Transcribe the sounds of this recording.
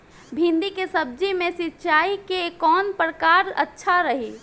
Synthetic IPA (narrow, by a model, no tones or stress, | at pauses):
bʱɪ̃nd̪ikesəb̚d͡ʒimẽsɪtːt͡ʃaːikekɔːnpɾəkaːɾətːʃʰaɾəɦi